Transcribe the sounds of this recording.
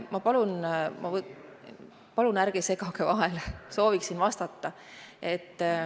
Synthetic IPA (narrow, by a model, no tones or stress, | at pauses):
mɑpɑlunmʔɑ | pɑlunæɾɡ̥ese̞kɑkevɑɦe̞lso̞ːviksinvɑst̪ɑt̪ːɑ | e̞t̪ː